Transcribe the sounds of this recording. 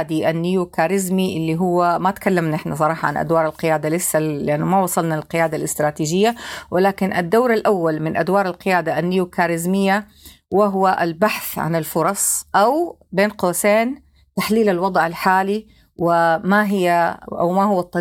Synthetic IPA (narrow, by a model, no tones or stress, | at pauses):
d̪iʔanːɪjukaːɾɪzmiʔɪlːiɦʊwːamat̪kalːamnaʔɪħnas̬ˤɑɾˤɑːħɑʕa̰nʔa̰d̪wɑːɾˤalqɪjaːd̪alɪsːaɪʔanːʊmawɑsˤɑlnalqɪjaːd̪alʔɪst̪ɾˤɑːt̪iːʒɪjːawɪlaːkɪnʔad̪ːawɾalʔawːalmɪnʔad̪wɑːɾˤalqɪjaːd̪aʔanːɪjukaːɾɪzmɪjːa | wɪɦʊwaʔa̰lbaħθʕa̰nɪlfʊɾˤɑsˤʔawbeːnqoːseːn | t̪aħliːlalwɑd̪ˤʕɪlħaːli | wɪmaɦɪjːaʔa̰wmaɦʊwːɑt̪ˤːɑ